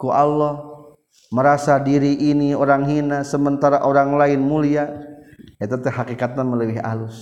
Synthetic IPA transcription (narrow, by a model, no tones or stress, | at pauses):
kuʔalːɔh | məɾasadiɾiʔːnioɾaŋɦinasəmənt̪aɾaʔoɾaŋlaɪnmulia | jat̪at̪ɛhakikat̪̚namələbɪɦa̰lʊs